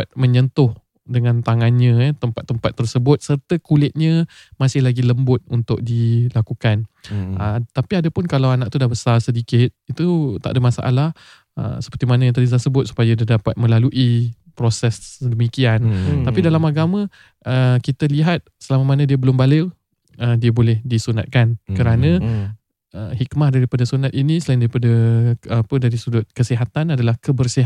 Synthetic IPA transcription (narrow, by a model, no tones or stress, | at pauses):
at̪̚məɲənt̪ʊh | dəŋant̪aŋanɲə̃t̪əmpat̪ːəmpat̪ːərsəbʊt̪̚sərt̪əkulɪt̪̚ɲə̃ | masɪhlaɡiləmbʊt̪̚unt̪ʊk̚dilakukanʔət̪apiadəpʊnkalawanaʔ̚t̪udahbəsarsədikɪt̪̚it̪ut̪a̰ʔdəmasa̰ʔa̰lah | ə̰sə̥pərt̪imanajat̪ədit̪̬ərsəbʊt̪̚su̥pajadiədapat̪̚mə̃laluʔi | pɾosɛsdəmikiant̪apidalamaɡamə̃ | ʔəkit̪əliɦat̪̚səlamamanadiəbəlʊmbalɪw | ədiəbolɛhdisuna̰t̪̚kankəɾanə̃ | əɦikmahdaɾipadasunat̪̚inisəlaɪndaɾipadəapədaɾisudʊt̪̚kəsiɦat̪anadalahkəbərsiɦ